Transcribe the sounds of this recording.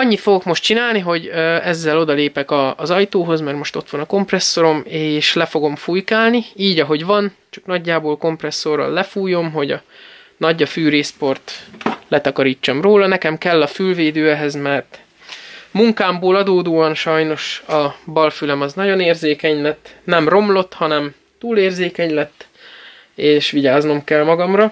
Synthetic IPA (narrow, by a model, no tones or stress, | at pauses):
ɒɲːit̪foɡo̞kmo̞ʃt̚t͡ʃinaːlniɦo̞ɟøɛzːɛlo̞d̪ɒleːpɛkɒːzɒjt̪oːɦo̞zmɛrmo̞ʃt̪o̞t̪ʋɒnɒko̞mprɛsːo̞ɾo̞meːʃlɛfo̞ɡo̞mfujkaːlniiːɟɒɦo̞ɟvɒnt͡ʃɒ̥knɒɟːaːboːlko̞mprɛsːo̞rɒ̰lːɛfuːjo̞mɦo̞ɟɒ | nɒɟɒfyːɾeːspo̞rt̪lɛt̪ɒkɒɾiːt͡ʃːɒmroːlɒnɛkɛmkɛlːɒfylveːd̪øːɛɦɛzmɛrt̪ | muŋkaːmboːlɒd̪oːd̪oːɒnʃɒjno̞ʃɒbɒlfylɛmɒznɒɟo̞neːrzeːkɛɲlɛt̪ːnɛmro̞mlo̞t̪hɒnɛm | t̪uːleːrzeːkɛɲlɛt̪ː | eːʃʋiɟaːzno̞mkɛlmɒɡɒmrɒ